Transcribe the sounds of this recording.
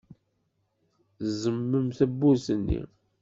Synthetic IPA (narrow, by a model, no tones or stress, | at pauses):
zəmːəmθæbːusənːḭ